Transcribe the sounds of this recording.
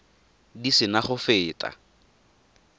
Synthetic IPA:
disɪnaχʊfɪːtʼa̰

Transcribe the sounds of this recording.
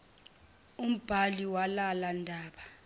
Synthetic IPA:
um̩b̥ʱaliwalalandʱaːɓa

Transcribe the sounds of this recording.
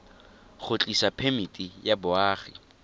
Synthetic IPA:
χʊt͡ɬʼisapʰemitʼijabʊaːχi

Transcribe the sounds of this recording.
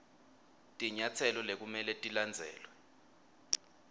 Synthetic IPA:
tʼiɲat͡sʰɛlɔlek̬umɛlɛtʼiland͡zʱɛ̰ːlwɛ

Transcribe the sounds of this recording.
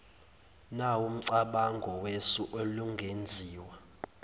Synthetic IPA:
naum̩ǀaɓaŋɡʱɔwesuʔoluŋɡʱend͡zʱiːwa

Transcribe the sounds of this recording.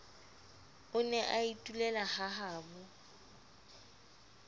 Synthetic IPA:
ʊnɛʔaitʼulɛlahaɦaːbʊ

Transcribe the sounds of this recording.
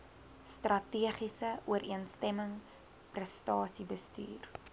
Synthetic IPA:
strɐtiəχisəuəɾʔiənstɛməŋ | prɛstɑːsibəsty̰ːr

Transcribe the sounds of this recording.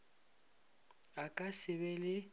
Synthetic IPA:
akʼasɪbɛlɪ

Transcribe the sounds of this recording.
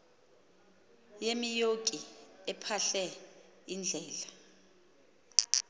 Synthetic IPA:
jemijokʼiɛpʰaɬɛ | ind͡ɮʱɛːla

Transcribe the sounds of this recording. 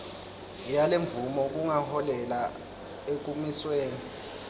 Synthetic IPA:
jaleɱvumɔk̬ʼuŋahɔlɛla | ek̬ʼumisweːni

